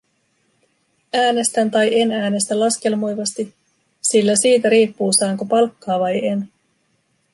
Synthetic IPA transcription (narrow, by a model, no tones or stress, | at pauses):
æːne̞st̪ænt̪ɑjʔe̞næːne̞st̪ælɑsk̟e̞lmojʋɑst̪i | silːæsiːt̪æɾiːpːuːsæːŋkopɑlkːɑːʋɑje̞n